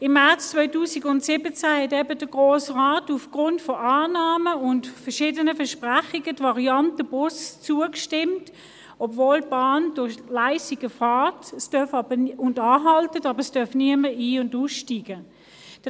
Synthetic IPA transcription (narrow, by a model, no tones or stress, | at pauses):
ɪmːɛɐt͡st͡svɔʏtuːsiɡʊntsɪbət͡sæhɛtɛbədəɡ̥ʁoːsʁaːtufɡ̥ʁʊntfɔʔɑːnɑːməʊntfəɐʃiːdənəfɛɐʃpʁæχiɡətvɑʁiɑntəb̥ʊst͡suəkʃtɪmt | ɔbvoːlb̥ɑːndʊχlaɪsiɡ̥əfɑːtstœɐfɑb̥əʊndɑːɦɑltətɑːbəstœɐfniəməiːʊnduːsʃtiːɡ̥ə | d̥